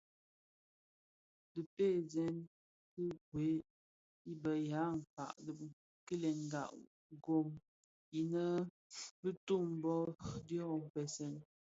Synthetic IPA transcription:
dɨ˨pe˦˨zɛ˦n | kɨ˦ɡwe˨˦ | i˦bə˨ja˨˦ŋ̩˨ka̰˨ʔd | kə˦lɛ˨ŋ˨ɡa̰˨ʔ | ɡo˨m | i˨nə˦ | bɨ˦tu˦˨m˦bɔ˦djɔ˦˨m̩˨pɛ˨sɛ˦˨n

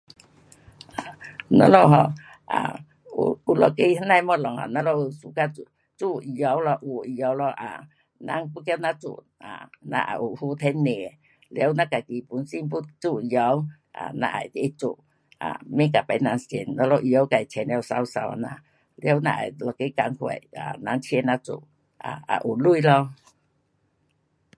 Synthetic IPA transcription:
ʔa˨nɔ̰˧˦lɔ˧˨ɦɔ˧˨ | ʔa̰˨ | ṵ˧u˧lɔ˨ke˦hnã˧˨jmɔ˦lɔ˨ŋha̰˨nã˧˦lɔ˧u˧su˧ka˧u˧˨ | t͡su˧˨i˨˧jɔ˨˦wlɔ˧ʔu˧˨i˧jɔ˨˦wlɔ˧ʔa̰˨ | nã̰˧˦ŋpu˦kja˧wnã˧t͡sṵ˧˨ʔ | a̰˨nã̰˧ʔa̰˨ʔu˨hu˧˦t̪ʰɛ˧˦nne˨ | ljə˦wnã˦ka˨ki˨pu˨˦nsi˦mpu˦t͡su˦˨˧jɔ˧˦w | ʔa̰˨nã̰˧ʔa̰˨jt̪i˧i˦t͡su˨ʔ | ʔa̰˨mĩ˦k̬a˨pa˧˦jnã˧ŋse˨nnã˧˦lɔ˧ʔjo˨˦wka˨jt͡ɕʰe˨ne˧ɔ˧˨sa˧wsa˧wa̰˨nã˧˨ | ljo˦wnã̰˧ʔa̰˨jlɔ˧˨ki˦ka˧˦ŋhwḛ˧˨ʔa˨nã˧˦ŋt͡ʃʰe˧˦nã˦t͡sṵ˧˨ʔ | ʔa̰˨a̰˨ʔu˨lu˦˧i˨lɔ˧

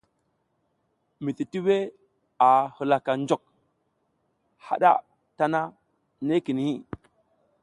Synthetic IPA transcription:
mi˨ti˨ti˦we˦ | a˨hə˨la˨ka˨nd͡ʒo˨k̚ | ha̰˨ɗa̰˦ | ta˦na˦ | ne˦ki˨ni˨hi˦

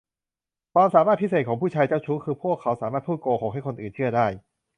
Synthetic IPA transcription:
kʰwaː˧msaː˦maː˥˩t̪̚pʰi˥se˨˩kʰɔ˩˦pʰuː˥˩t͡ɕʰaː˧jt͡ɕa˥˩wt͡ɕʰu˦˥kʰɯː˧pʰu˥˩əkʰːa˦˥wsaː˩˦maː˥˩t̪̚ʰuː˥˩koː˧kʰoː˧˩˦ŋɦa˥˩jkʰo˧nʔɯː˨˩nt͡ɕʰɯ˥˩ɐdaː˥˩j

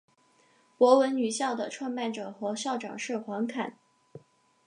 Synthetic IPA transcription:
pwɔ˧˥wə˧˥nny˨˩ɕjɑ˥˩ʊd̪ə˩ʈ͡ʂʰwa˥˧nma˥˩nʈ͡ʂɤ˨˩xɤ˧˥ɕjɑ˥˩ʊʈ͡ʂɑ̰˨˩ŋʂɻ̩˥˩xwɑ˧˥ŋkʰa˨˩˦n

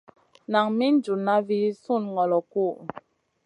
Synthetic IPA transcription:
na˨ŋmi˦n̩˦d͡ʒu˨na˦vi˦su˦˨nŋɔ˨lɔ˨ku˦˨

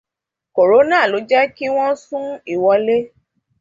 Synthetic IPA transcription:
ko˨ɾo˨˦nãː˦˨lo˨˦d͡ʒɛ˦ki˦w̃ɔ̃˦sũ˦i˦˨wɔ˧le˦

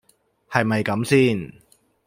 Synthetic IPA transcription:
hɐ˨jmɐ˨jkɐ˨˥msiː˥n

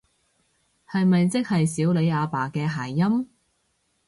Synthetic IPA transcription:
hɐ˨jmɐ˨jt͡sɪ˥k̚hɐ˨jsiː˨˥wle˨˧jaː˨˧paː˨˩kɛː˧ɦaː˨˩jːɐ˥m

